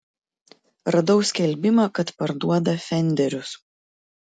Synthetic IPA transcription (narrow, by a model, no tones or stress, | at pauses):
ɾɐd̪ɐʊsʲkʲɛlʲˑbʲɪmɐkɐt̪pɐɾd̪uɔd̪ɐfʲɛnʲd̪ʲɛɾʲʊs